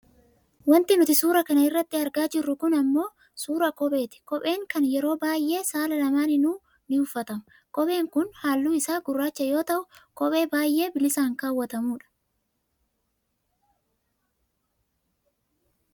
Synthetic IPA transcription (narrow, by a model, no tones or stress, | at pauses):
wɐnt̪ɪnʊt̪ɪsuːɾɐkɐnɐɪrːɐt̪ːɪɐɾɡaːd͡ʒɪrːʊkʊnɐmːo̞ː | suːɾɐkɔɓʼe̞ːt̪ɪ̥kɔpʼe̞ːŋkɐnjɛɾo̞ːbaːjʔe̞ːsaːlɐlɐmaːnɪnuː | nɪʊfːɐt̪ɐmʊ | kɔɓʼe̞ːŋkʊnhaːlːuːɪsaːɡʊrːaːt͡ʃːɐjo̞ːt̪ɐʔʊkɔpʼe̞ːbaːjʔe̞ːbɪlɪsaːŋkaːwːɐt̪ɐmuːᶑɐ̥